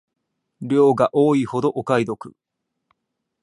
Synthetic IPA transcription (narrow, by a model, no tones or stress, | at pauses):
ɾʲo̞ːɡaʔo̞ːiho̞d̪o̞ʔokaid̪o̞kɯ̟̰